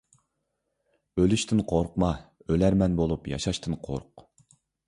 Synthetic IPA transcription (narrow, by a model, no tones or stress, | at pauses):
ølyʃt̪ʰɪnqʰoɾqmɑølæɾmɛnbolˠupjɑ̰ʃɑʃt̪ʰɨnqʰo̰ɾq